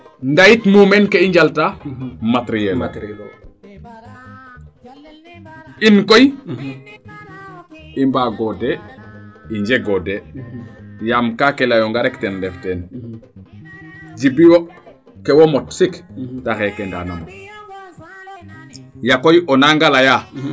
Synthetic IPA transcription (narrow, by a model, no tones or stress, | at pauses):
ndajitmumɛnkeiɲɟaltamatɾijɛl | inkoj | imbaɡɔde | iɲd͡ʒeɡode | jamkakelajoŋɡaɾɛktɛndɛftɛn | d͡ʒibiwo | kewomɔtsiktaxɛkenda̰ːnamo | jakojɔnaŋɡalaja